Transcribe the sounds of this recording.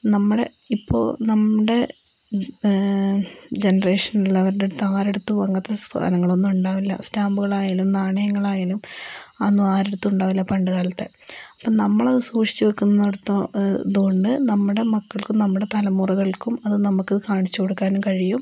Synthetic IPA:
nɐmːuɽe̞ | ipːo̞̰ːnɐmːuɽe̞ | d͡ʑenɐre̞ːʂɐnullːɐʋɐɾuɽet̪ːaːɾeɽut̪ːuʋɐŋːɐt̪ːest̪ʰa̰nɐŋːɐɭo̞nːumuɳɖaːʋilːɐ̰staːmbuɣɐɭaːjaːlumnaːɳɐjɐŋːɐɭaːjaːlumɐnːumaːɾeɽut̪ːuuɳɖaːʋilːɐpɐɳɖɨɣaːlɐt̪ːe̞ɐpːonɐmːɐɭɐðɨsuːʂi̥t͡ɕːɨʋɐkːunːɐːoɽut̪ːɐðuɣo̞ɳɖɨnɐmːuɽe̞mɐkːɐɭkumnɐmːuɽe̞t̪ɐlɐmːuruɣɐɭkumɐðɨnɐmukːɨkaːɳit͡ɕːuko̞ɽukːaːnumkɐɻijum

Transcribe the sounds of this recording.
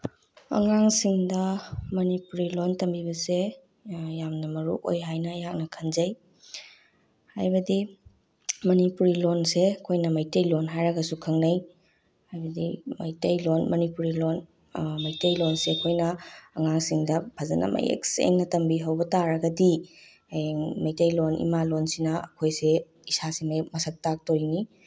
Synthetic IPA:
ɐ̰ŋaŋsiŋdɐmɐnipuɾilontɐmbibɐse | jamnɐmɐɾṵʔo̰jɦajnɐjak̚nɐkʰɐnzɐj | hajbɐdi | mɐnipuɾilonseɐkʰojnɐmajtɐjlonɦajɾɐɡɐsukʰɐŋnɐj | hajbɐdimɐ̰jtɐjlonmɐnipuɾilon | mɐjtɐjlonseɐkʰojnɐːŋaŋsiŋdɐpʰazɐnʔɐ̰mɐ̰jḛksḛŋnɐtɐmbiɦɐwbɐtaɾɐɡɐdi | jeŋmɐjtɐjlonḭmalonsinɐɐ̰kʰojse | isasimɐjmɐsɐk̚tak̚tojni

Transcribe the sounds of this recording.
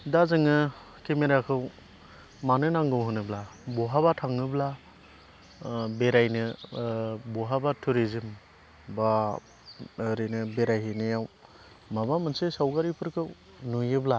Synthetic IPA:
dazɯŋɯ | kʰemeɾakʰɯw | manɯnaŋɡɯwɦɯnɯblabɔɦabatʰaŋːɯbla | beɾajnɯ | bɔɦabatʰuɾizɯm | ba | ɾɯnɯbeɾajɦenɯjaw | mabamɯnsesawkaɾipʰɯɾkʰɯw | nujɯbla

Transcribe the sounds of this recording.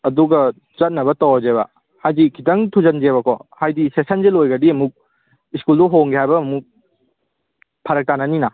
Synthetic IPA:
ɐduɡɐ | zɐt̚nɐβɐtɐwzeβɐ̰ | hajdikʰitɐŋtʰuzɐnd͡ʒeβɐkʰɔhajdisesɐnzelojɡɐdiɐmuk̚ | iskulduɦoŋɡiɦajbɐɐmuk̚ | pʰɐɾɐk̚tanɐnina

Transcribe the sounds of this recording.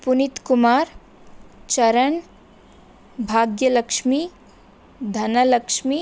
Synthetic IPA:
punit̪kumaːɾ | t͡ʃɐɾən | bʱaːɡjələkʃmi | d̪ʱɐnɐləkʃmi

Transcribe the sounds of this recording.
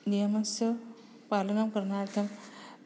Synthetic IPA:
nijɐmɐnsɐ | palɐnɐmkɐɾnaːɽɐkɐm

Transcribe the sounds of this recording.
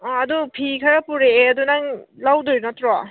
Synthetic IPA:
adupʰikʰaɾapuɾeːɐdunaŋlawdɔjnatɾa

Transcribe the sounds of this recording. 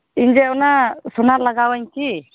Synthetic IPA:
iɲd͡ʒɛɔnasunaɾlaɡawaɲki

